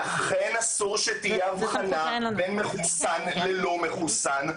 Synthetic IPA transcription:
aχenasuʁʃetijeavanabenmeχusanlelo̞me̞χusan

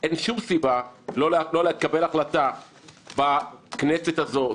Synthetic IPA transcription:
ʔenʃumsibalollolekabelaχlat̪a | bakneset̪azo̞

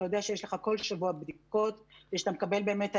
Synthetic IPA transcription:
ajodeaʃejeʃleχako̞lʃavuabd̪iko̞t̪deʃat̪amekabe̞lbe̞ːmet̪

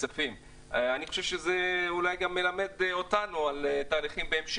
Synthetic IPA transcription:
afim | aniχoʃevʃezeulajɡamːe̞lame̞d̪o̞t̪anualt̪aːliχimbeemʃ

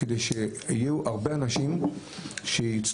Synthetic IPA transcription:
ed̪ejʃeijeuʔaʁbeanaʃim | ʃejit͡s

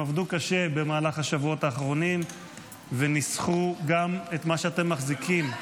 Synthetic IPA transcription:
avd̪ukaʃe̞be̞maːlaχhaʃavuo̞taːχʁo̞nim | venisχuɡamet̪maʃeat̪e̞mːaχzikʰim

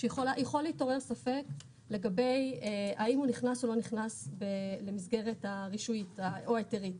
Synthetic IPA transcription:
ʃejeχolajeχo̞liːto̞ʁe̞ʁsafe̞k | le̞ɡabe̞jaimuniχnasolo̞niχnasbele̞mizɡe̞ʁetaʁiʃuitaoaeteʁit

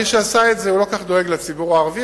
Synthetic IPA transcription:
iʃeasaetzeulo̞kaχd̪o̞eɡlat͡sibuʁaːʁvi

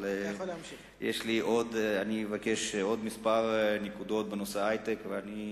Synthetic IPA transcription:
lelmi | jḛʃliʔo̞d̪anievakeʃo̞d̪mispaʁnekud̪o̞t̪̚benoseajt̪ekveani

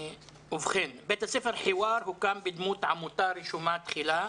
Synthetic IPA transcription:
ʔʊfxɪːnbeːt̪asɪfɪɾħɪwɑːɾˤhukaːmbɪd̪muːt̪ʕamʊt̪ɑːɾˤɪʃumaːt̪xɪlaː

